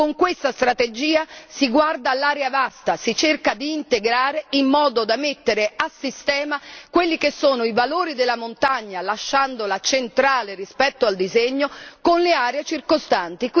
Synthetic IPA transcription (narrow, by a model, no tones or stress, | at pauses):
koŋkwest̪ast̪ɾat̪ed͡ʒiːasiɡward̪aːlːaːɾeavast̪asit͡ʃerkad̪iːnt̪eɡɾaːɾeimːɔːd̪od̪amet̪ːeɾeasːist̪ɛːmakwelːikesːoːnoivaloːɾid̪elːamont̪aɲːalaʃːand̪olat͡ʃent̪ɾaːlerispɛt̪ːoald̪izeɲːokonleaːɾeet͡ʃirkost̪ant̪ik